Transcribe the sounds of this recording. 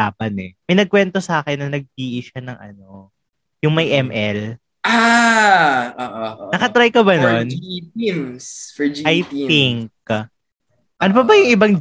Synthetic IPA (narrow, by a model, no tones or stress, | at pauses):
aːpɐnɛmɐjnɐɡ̚kwɛnt̪o̞sɐaːkɛnːɐnɐɡ̚d͡ʒiːʔɪʃɐnɐŋʔɐ̰no̞ | jʊŋmɐjʔɛmʔɛl | ʔa | oʔonɐkɐt̪ɾaɐjkɐbɐnonimsfɛd͡ʒɐjɪŋk̚ | ʔɐnopɐbɐjʊŋʔɪbɐŋ